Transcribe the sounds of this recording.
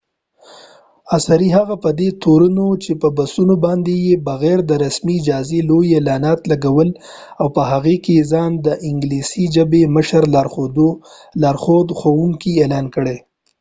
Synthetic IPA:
asaɾiɦaɣapəd̪et̪oɾunot͡ʃepəbasunobɑnd̪ejebaɣɛɾd̪əɾasmiːd͡ʒɑzelojelɑnɑt̪laɡawəl | awpəɦaɣekeezɑnd̪əʔɪŋɡlisid͡ʒəbeməʃəɾlɑɾxod̪o | lɑɾxod̪xowuŋkielɑnkəɽe

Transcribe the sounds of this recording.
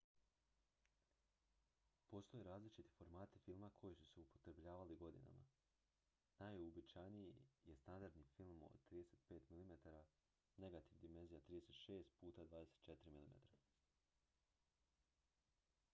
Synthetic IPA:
po̞st̪o̞jeɾaːzlit͡ʃit̪i̥fo̞ɾmaːt̪ifilˠmakʰo̞jisuseupot̪ɾebʎaːʋaliɡo̞d̪ḭna̰ma̰ | najubit͡ʃajnijijest̪and̪aɾd̪nifilˠmo̰d̪t̪ɾiːd̪eseːt̪pe̞ːt̪milimet̪aɾa | ne̞ɡat̪iʋd̪ime̞nzijat̪ɾiːd̪e̞set̪ʃe̞ːst̪̚puːt̪ad̪vʋaːd̪e̞se̥t̪t͡ʃe̞t̪iɾimilime̞̰t̪ɾa

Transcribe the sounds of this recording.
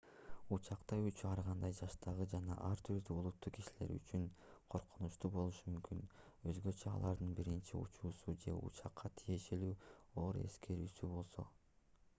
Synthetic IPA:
ut͡ʃɑqt̪ɑjut͡ʃyɑɾʁɑnd̪ɑjd͡ʒɑʃt̪ʰɑʁɯd͡ʒɑnɑ̰ʔɑɾt̪ʰyɾd̪yulˠut̪ːukiʃile̞̰ɾy̰t͡ʃynqʰo̞ɾqunuʃt̪uːbo̞lˠuʃɯmymkyn | ø̞zɡø̞t͡ʃøɑ̰lˠɑɾd̪ɯnbiɾint͡ʃiṵt͡ʃuːsud͡ʒe̞̰ṵt͡ʃɑqʰːɑt̪ʰije̞ʃe̞lyːo̞ːɾe̞̰skʰe̞ɾyːsybo̞lˠso̞̰

